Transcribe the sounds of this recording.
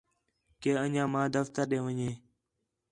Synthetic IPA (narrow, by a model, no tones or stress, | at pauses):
keːəɲãːmãːd̪əft̪əɾɗẽːʋəɲeː